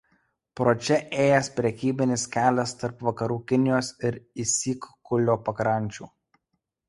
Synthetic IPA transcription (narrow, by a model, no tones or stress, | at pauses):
pɾoːt͡ʃʲɛʔeːjɛspʲɾʲɛkʲiːbʲɪnʲɪskʲæːlʲɛst̪ɐɾpʋɐkɐɾuːkʲɪnʲɪjoːsɪɾɪsʲiːkkʊlʲoːpɐkɾɐˑnʲt͡ʃʲṵː